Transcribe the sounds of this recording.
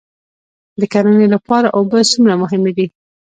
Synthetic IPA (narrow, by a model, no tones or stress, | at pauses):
d̪əkaɾənelapɑɾaʔobəsumɾamʊɦɪmed̪i